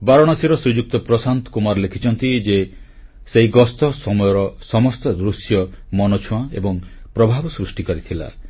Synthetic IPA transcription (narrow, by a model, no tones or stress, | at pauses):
baɾɔɽ̃ɔsiɾɔsɾud͡ʒuk̚t̪ɔpɾɔsant̪ɔ̥kumaɾlekʰit͡ʃɔnt̪id͡ʒe | sejɡɔst̪ɔsɔmɔjɔɾɔsɔmɔst̪ɔd̪ɾusjɔmɔnot͡ʃʰuãebɔŋpɾɔbʱabɔsɾusʈikɔɾit̪ʰila̰